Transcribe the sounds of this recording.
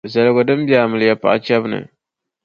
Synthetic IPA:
za˨lɡo˨dɨ˦m˦bja˨mɨ˨ljɛ˨pa̰˨ʔa̰˦t͡ʃɛ˦bnɨ̰˨

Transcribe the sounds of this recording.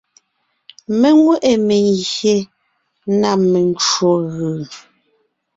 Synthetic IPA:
me˦ŋwe˦ʔe˨me˨ŋɣje˨˦ | na˦˨me˨n˦t͡ʃo˨ɣɯː˨

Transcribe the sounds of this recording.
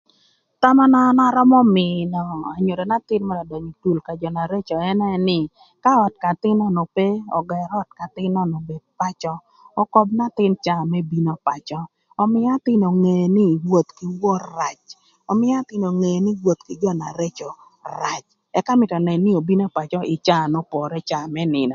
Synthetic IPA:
ta˦mɔ˦nɔ˦nɔ˦ɾɔ˦mɔ˦mɪ˨nɔ˨a˨ɲo˨ɾo˨na˦tɪ˦nmɔ˦da˨dɔ˨ɲi˨tu˨lka˨d͡ʒɔ˨na˨ɾe˦t͡ʃɔ˨ɛ˦nɛ˦nɪ˦ | ka˦ɔ˨t̚ka˨tɪ˦nɔ˦no˨pe˦ɔ̰˨ɡɛ˨ɾɔ˦t̚ka˨tɪ˦nɔ˦no˨be˨d̚pa˦t͡ʃɔ˦ | ɔ˦kɔ˦b̚na˦t̪ɪ˦nt͡ʃa˦˨mɛ˦bi˦no˦pa˨t͡ʃɔː˦˨ | mɪ˦a˦tɪ˦no˨ŋe˨nɪ˦wo˨t̪ki˨wɔ˦ɾa˨t͡ʃ | ɔ˨mɪ˦a˦t̪ɪ˦no˨ŋe˨jnɪ˦wwo˨t̪̚kɪ˨d͡ʒɔ˦na̰˨ɾe˦t͡ʃɔ˨ | ɾa˨t͡ʃ | ɛ˦ka˦mɪ˨tɔ˨nɛ˨nːi˦o˨bi˦no˦pa˨t͡ʃɔ˦ɪ˨t͡ʃa˦˨nɔ˦pɔ˨ɾɛ˦t͡ʃa˨mɛ˦nɪ˨nɔ˨

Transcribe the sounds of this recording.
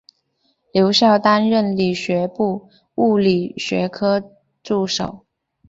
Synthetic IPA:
ljo˧˥ʊɕjɑ˥˩ʊt̪a˥nɻə˥˩nli˨˩ɕɥɛ˧˥pu˥˧ | u˥˩li˨˩ɕɥɛ̰˧˥kʰɤ˥ | ʈ͡ʂu˥˩ʂo˨˩˦ʊ

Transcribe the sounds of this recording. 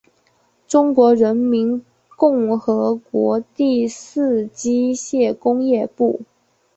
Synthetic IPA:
ʈ͡ʂʊ˥ŋkwɔ˧˥ɻə˧˥nmi˧˥n | kʊ˥˩ŋxɤ˧˥kwɔ˧˥t̪i˥˧sɹ̩˥˩t͡ɕi˥ɕjɛ˥˩kʊ˥ŋjɛ˥˧pu˥˩

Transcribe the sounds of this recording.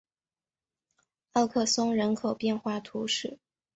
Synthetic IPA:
ɑ˥˧ʊkʰɤ˥˩sʊ˥ŋɻə˧˥nkʰo˨˩ʊpjɛ˥˧nxwa˥˩t̪ʰu˧˥ʂɻ̩˥˩

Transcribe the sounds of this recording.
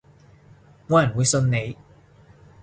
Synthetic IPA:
ŋɔː˨˧jɐ˨˩nwuː˨˧jsɵ˧nne˨˧j

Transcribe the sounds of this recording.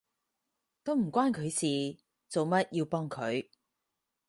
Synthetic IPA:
t̪o˥wm̩˨˩kʷwaː˥nkʰɵ˨˧ɥsiː˨ | t͡so˨wmɐ˥t̚jiː˧wpɔː˥ŋkʰɵ˨˧ɥ

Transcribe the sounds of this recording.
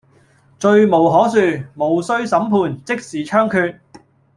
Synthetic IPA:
t͡ʃɵ˧ɥmo˨˩wɦɔː˨˥syː˨˧mo˨˧wsɵ˥ɥsɐ˨˥mpʰuː˧nt͡sɪ˥k̚siː˨˩t͡ʃʰœː˥ŋkʰyː˧t̚

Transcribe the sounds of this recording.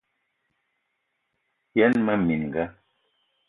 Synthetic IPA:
jɛ˦nmə˦mi˨nŋ˨ɡə˦

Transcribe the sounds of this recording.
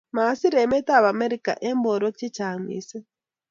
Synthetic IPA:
ma˨˦si˦ɾe˨me˦ta˦˨βa˨me˦ɾi˦˨ka̰˨ʔe˦mbo˨ɾo˦k̚t͡ʃi˦t͡ʃa˨mḭː˨˦sɛ˦

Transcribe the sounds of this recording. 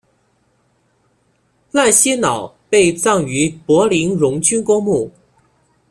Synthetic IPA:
la˥˩nɕi˥nɑ˨˩˦ʊpe˥˧ɪt͡sɑ˥˩ŋy˧˥pwɔ˧˥li˧˥nɻʊ˧˥ŋt͡ɕy˥nkʊ˥ŋmu˥˩

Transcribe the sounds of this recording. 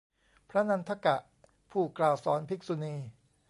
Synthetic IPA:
pʰɾa˦˥na˧nt̪ʰa˦˥ka˨˩ʔ | pʰuː˥˩klaː˨˩wsɔ̰ː˩˦npʰi˦˥k̚su˧niː˧

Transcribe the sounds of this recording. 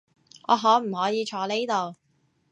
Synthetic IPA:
ʔɔ̰ː˨˧ɦɔː˨˥m̩˨˩hɔː˨˥jiː˨˧t͡ʃʰɔː˨˧le˥jt̪o˨w

